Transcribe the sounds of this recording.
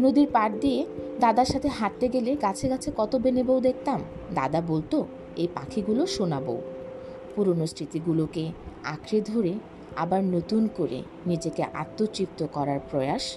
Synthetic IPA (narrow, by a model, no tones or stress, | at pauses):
nod̪iɾpaʈ̚d̪ied̪ad̪aɾʃat̪ʰeɦaʈ̪ːeɡeleɡat͡ɕʰeɡat͡ɕʰekɔt̪obenebowd̪ek̚ʰt̪am | d̪a̰d̪abolt̪o | ejpa̰kʰiɡuloʃonabo̰ | puɾonost̪ʰɾit̪iɡulokea̰kʰɾed̪ʱoɾe | abaɾnot̪unkoɾḛ | nid͡ʑekḛʔa̰t̪ːot͡ɕɾip̚t̪okɔɾaɾpɾɔeaʃ